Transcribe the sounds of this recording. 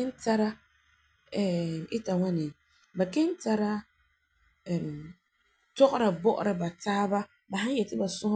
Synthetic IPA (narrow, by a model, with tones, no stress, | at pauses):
ɪ˦n˦ta˦ɾa˦ | ɛ˨ɪ˦ta˨ŋa˦nɪ˨ | ba˨ke˦n˦ta˦ɾa˦˨ | tɔ˦ɣɔ˦ɾa˨bɔ˦ʔʊ̰˨ɾa˨ba˨taː˦ba˦ | ba˨ha˦n˦jɛ˨tɪ˦ba˨sʊ˦h